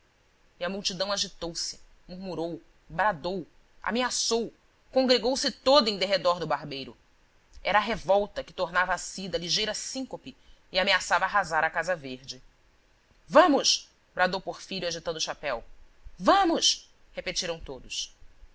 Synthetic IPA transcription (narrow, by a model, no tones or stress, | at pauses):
iɐmuwt͡ʃid̪ɐ̃w̃aʒit̪owsɪ̥ | muɾmuɾow | bɾad̪ow | a̰measow | kõŋɡɾeɡowsɪt̪od̪ʊẽj̃d̪eɦed̪ɔɾd̪ʊbaɾbejɾʊ | ɛɾɐːɦevɔwt̪ɐkɪ̥t̪oɾnavɐasid̪ɐliʒejɾɐsĩŋkopɪɪameasavɐaːɦazaɾɐkazɐveɾd͡ʒɪ | vɐ̃mʊʃ | bɾad̪owpoχfiʎuaʒit̪ɐ̃nd̪ʊʃapɛw | vɐ̃mʊʃ | hepet͡ʃiɾɐ̃w̃t̪od̪ʊs